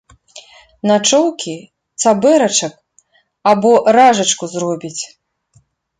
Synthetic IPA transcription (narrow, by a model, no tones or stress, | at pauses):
nat͡ʂɔwkʲi | t̪sabɛɾɐt͡ʂɐk | abɔɾaʐɐt͡ʂkuzrɔbʲit͡sʲ